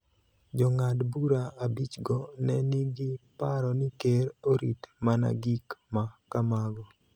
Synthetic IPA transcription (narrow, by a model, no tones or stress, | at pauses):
d͡ʒɔŋadbuɾaabit͡ʃɡɔnɛnɪɡɪpaɾɔnɪkeɾoɾḭtmana̰ɡikmakamaɡɔ